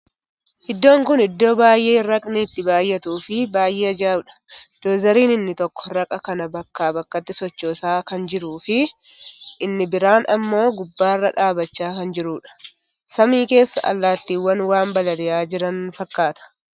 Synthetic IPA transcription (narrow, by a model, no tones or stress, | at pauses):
ʔɪd̪ːo̞ːŋkʊnɪd̪ːo̞ːbaːjʔe̞ːɾɐkʼnɪt̪ːɪbaːjːɛt̪uːfɪbaːjʔe̞ːɐd͡ʒaːbᶑɐ̥d̪̥oːzɐɾiːnɪnːɪt̪ɔkːɔ̥ɾɐkʼɐkɐnɐbɐkːaːbɐkːɐt̪ːɪsɔt͡ʃːoːsaːkɐnd͡ʒɪɾuːfɪ | ʔɪnːɪbɪɾaːnɐmːo̞ːɡʊbːaːrːɐᶑaːbɐt͡ʃːaːkɐnd͡ʒɪɾuːᶑɐ̥ | sɐmiːke̞ːsːɐ̰ʔɐ̰lːaːt̪ːiːwːɐnwaːmbɐlɐd̪ɪjaːd͡ʒɪɾɐnfɐkːaːt̪ɐ̥